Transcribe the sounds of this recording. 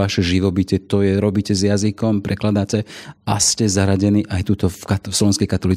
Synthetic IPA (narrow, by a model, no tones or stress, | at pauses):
aʃɛʒiʋɔbicɛt̪ɔjɛɾɔbiːcɛzjazikɔmpɾʔɛklad̪acɛascɛzaɦɾaɟɛniːʔajt̪ut̪ɔfkat̪fslɔʋɛ̃ñskɛjkat̪ɔliːt͡s